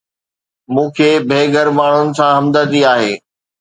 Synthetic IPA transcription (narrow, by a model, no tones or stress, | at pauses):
mũːkʰeːbʱeːɡʱəɾmaːɳ̤ʊnɪ̆sãɦɐmd̪əd̪iaːɦeː